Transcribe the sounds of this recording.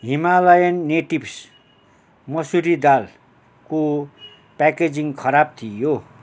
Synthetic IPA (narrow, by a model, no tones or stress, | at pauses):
ɦimalajʌnːeʈibs | mʌsuɾid̪al | ko | paked͡ziŋkʰʌɾab̚t̪ʰijo